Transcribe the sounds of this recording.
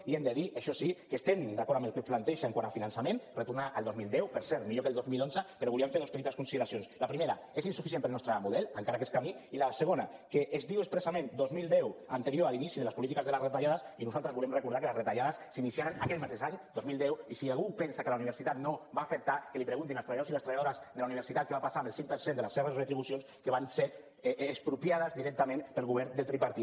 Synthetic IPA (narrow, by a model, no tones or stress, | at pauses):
iend̪eðiʔaʃɔsikest̪end̪akɔɾamelkuplant̪ɛʃaeŋkwaɾafinansamẽnret̪uɾnaʔəlˠd̪ozmilˠd̪ɛwpeɾsɛɾmiʎokelˠd̪ozmilonzəpeɾoβuliamɱfeɾðospet̪it̪askunsiðeɾasionslapɾimeɾa | esinsufis̬empəlnɔst̪ɾamuðɛlaŋkaɾakeskamiilaseɣ̞onakeʔezðiwespɾesamẽnd̪ozmilˠd̪ɛwant̪eɾijoalinisiðelaspulit̪ikazðelazret̪aʎaðasinuzalˠt̪ɾəzβulɛmrekuɾðaɾkələzret̪aʎaðəsːinisiaɾənakɛt̪mat̪ezaɲd̪ozmilˠd̪ɛwisialɣupɛnsakəlauniβəɾsit̪at̪noβaːfək̚t̪akəlipɾeɣunt̪inalst̪ɾeβaosiləst̪ɾeβajaðoɾazðelauniβɾsit̪at̪̚kəβapasamelˠsiŋpəɾsend̪eləsːeβəsret̪ɾiβusionskəβanseː | spɾupjað̞əzðiɾɛk̚t̪amẽnpəlˠɣuβ̞ɛɾd̪elt̪ɾipaɾt̪i